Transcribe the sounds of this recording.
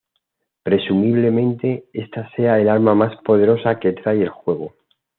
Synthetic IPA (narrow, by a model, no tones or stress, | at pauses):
pɾe̞sumiβ̞le̞mẽ̞nt̪e̞est̪ase̞aelalmamaspo̞ð̞e̞ɾo̞sake̞t̪ɾaje̞lxwe̞ɣ̞o